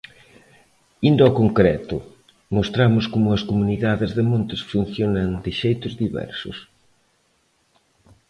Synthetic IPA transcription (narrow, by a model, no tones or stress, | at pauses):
ind̪ɐɔkoŋkɾɛt̪ʊ | most̪ɾamʊskomʊɐskomuniðaðɪzðɪmõnt̪ɪsfun̟θjonɐŋd̪ɪʃejt̪ʊzðiβɛ̰ɾsʊ̰s